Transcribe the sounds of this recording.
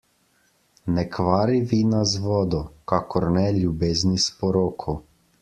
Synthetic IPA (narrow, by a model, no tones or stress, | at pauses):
nɛkʋaːɾiʋiːnazʋɔːd̪ɔkakɔɾnɛlʲjubeːznispɔɾoːkʰɔ